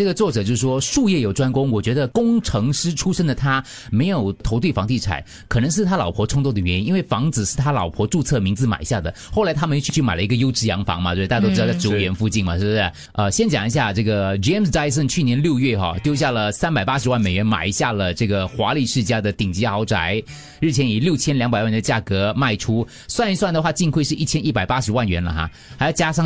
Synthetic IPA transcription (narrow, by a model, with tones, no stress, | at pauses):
ʈ͡ʂɤ˥˩ɡə˩t͡swɔ˥˩ʈ͡ʂɤ˨˩t͡ɕjo˥˧ʊʂ̩˥˩ʂwɔ˥ʂu˥˧jɛ˥˩jo˨˩ʊʈ͡ʂwa˥nkʊ˥ŋwɔ˨˩t͡ɕɥɛ˧˥d̪ə˧kʊ˥ŋʈ͡ʂʰɤ˧˥ŋʂɻ̩˥ʈ͡ʂʰu˥ʂə˥nd̪ə˨˩t̪ʰa˥ | me˧˥ɪjo˨˩ʊt̪ʰo˧˥t̪we˥˩ɪfɑ˧˥ŋt̪i˥˩t͡sʰa̰˨˩˦ɪ | kʰɤ˨˩nɤ˧˥ŋʂɻ̩˥˩t̪ʰa˥lɑ˨˩ʊpʰwɔ˧˥ʈ͡ʂʰʊ˥ŋt̪o˥˩d̪ə˩ɥɛ˧˥ni˥ni˥nwe˥˩fɑ˧˥ŋt͡sɹ̩˨˩ʂɻ̩˥˩t̪ʰa˥lɑ˨˩ʊpʰwɔ˧˥ʈ͡ʂu˥˧t͡sʰɤ˥˩mi˧˥ŋd͡zɹ̩˧ma̰˨˩ɪ˧˦ɕja˥˩d̪ə˩xo˥˩ʊla˧˥ɪt̪ʰa˥mə˨n˥˩t͡ɕʰy˥˧t͡ɕʰy˥˩ma˨˩ɪlə˧i˧˥ɡə˧jo˥ʊʈ͡ʂɻ̩˥˩jɑ˧˥ŋfɑ̰˧˥ŋmɐ˧t̪a˥˧˥o˥ʊ˥˧˩jo˧˥ɥɛ˧˥nfu˥˧t͡ɕi˥˩nmɐ˨˩˥ɛ˥˩ | ə˧ɕjɛ˥nt͡ɕjɑ˨˩ŋi˧˥ɕ̬ja˥˩ʈ͡ʂɤ˥˩ɡə˩ʈ͡ʂɛ˥msda˥ɪs̬ə˥˩nt͡ɕʰy˥˩njɛ˧˥nljo˥˧ʊɥɛ˥˩xɑ̰˥˩t̪jo˥ʊɕja˥˩lə˩sa˥npa˨˩ɪpa˥ʂ̬ɻ̩˧˥wa˥˩nme˨˩ɪɥɛ˧˥nma̰˨˩ɪi˧˥ɕja˥˩lə˩ʈ͡ʂɤ˥˩ɡə˩xwa˧˥li˨˩ʂɻ̩˥˩t͡ɕja˥d̪ə˨t̪i˨˩ŋt͡ɕi˧˥xɑ˧˥ʊʈ͡ʂa˨˧˥ɪ | ɻ̩˥˩t͡ɕʰjɛ˧˥ni˨˩ljo˥˩ʊt͡ɕʰjɛ˥nljɑ˧˥ŋpa˨ɪwa˥˩nd̪ə˧t͡ɕja˥˩kɤ˧˥ma˥˩ɪʈ͡ʂʰu˥ | swa˥˧n˥swa˥˩nd̪ə˩xwa˥˧t͡ɕi˥˧ŋkʰwe˥˧ɪʂɻ̩˥˧i˥˩t͡ɕʰjɛ˥ni˥˩pa˨˩ɪpa˥ʂɻ̩˧˥wa˥˩nɥɛ˧˥nlə̰˩xa̰˥˩ | xjɑ˥˧ʊt͡ɕja˥ʂɑ˥˧ŋ